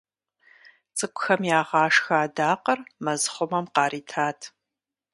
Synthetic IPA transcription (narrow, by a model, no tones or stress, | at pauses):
t͡sʼɨkʷʼʊxɐmjaːʁɑːʂxaːdaːqɐrmɐzχʷʊmɐmqɑːɾiːtʰaːtʰ